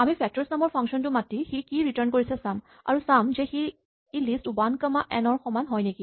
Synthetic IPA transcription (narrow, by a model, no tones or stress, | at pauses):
amipʰɛk̚tɔɹsnamɔɹpʰaŋksɔntʊmatixikiɹitaɹnkoɹisɛsam | a̰ɹusamzɛxi | elistubankəmaʔɛnɔɹxɔmanɦɔjneki